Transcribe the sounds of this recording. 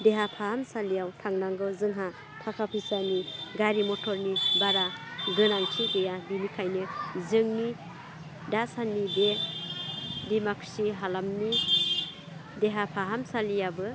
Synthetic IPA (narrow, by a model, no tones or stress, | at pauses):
deɦapʰahamsalijawtʰaŋnaŋɡɯzɯŋɦa | tʰakʰapʰisaniɡaɾimɔtʰɔɾnibaɾaɡɯnaŋt͡ʃʰidejabimikʰajnɯzɯŋni | dasanibe | bimakʰsiɦalamni | deɦapʰaɦamsalijabɯ